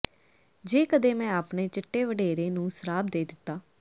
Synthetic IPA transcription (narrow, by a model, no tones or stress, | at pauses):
d͡ʒeːkəd̪eːmɛ̃ːaːpɳeːt͡ʃɪʈːeːʋəɖeːɾeːnũːsəɾaːbd̪eːd̪ɪt̪ːaː